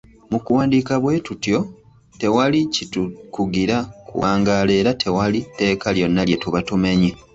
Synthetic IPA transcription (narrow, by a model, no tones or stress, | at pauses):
mukuwaːndiːkaβwe̞tutjo̞ | te̞walicitukuɡiɾakṵwaːŋɡale̞ːɾatʰe̞walite̞ːkaljo̞nːalje̞tuβatume̞ɲi